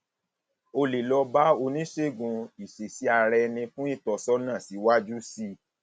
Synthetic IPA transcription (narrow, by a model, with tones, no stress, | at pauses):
o˧li˨lɔ˧ba˦o˧nĩ˦ʃe˦˨ɡũ˧i˨ʃe˨si˨˦a˧ɾɛ˧nĩ˧fũ˦i˦˨tɔ˧sɔ˦nã˦˨si˨˦wa˦d͡ʒu˦si˦